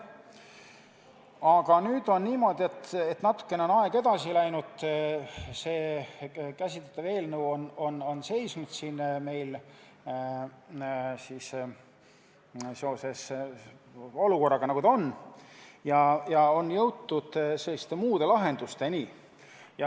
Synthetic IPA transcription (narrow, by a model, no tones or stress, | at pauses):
ɑɡ̥ɑnyːd̪̥o̞nniːmo̞d̪̥ʲie̞t̪ːet̪nɑt̪ːˑu̥kːe̞neo̞nɑeɡ̥e̞d̪̥ɑsilæjnud̪̥ | se̞ː | kæsʲit̪let̪ːɑve̞ːlnuono̞no̞nse̞jsnud̪̥siːnme̞jl | siːs | se̞o̞se̞s | o̞luko̞rːɑɡ̥ɑnɑɡud̪onː | jɑjɑo̞njɤwt̪ːud̪̥se̞lːist̪e̞muːd̪e̞lɑɦe̞nd̪̥ust̪e̞niː | jɑ